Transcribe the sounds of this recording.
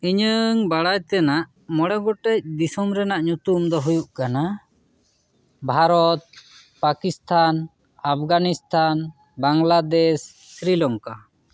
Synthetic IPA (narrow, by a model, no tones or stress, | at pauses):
iɲəŋbaɽajt̪ɛnaʔ | mɔɽɛɡɔʈɛc̚d̪isɔmɾɛnaʔɲut̪umd̪ɔɦujuʔkana | bʱaɾɔt̪̚ | pakist̪ʰan | ap̚ʰɡanist̪ʰan | baŋlad̪ɛs | sɾilɔŋka